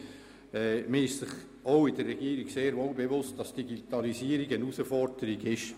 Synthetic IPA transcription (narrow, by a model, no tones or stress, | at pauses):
ɛːməɪʃsɪχ | oʊɪdərːɛɡiːɾiɡ̥seːɾvolbevʊst̚d̥ɑsd̥iɡitɑlisiːəɾɪɡənusəfɔɾd̥əɾiɡɪʃ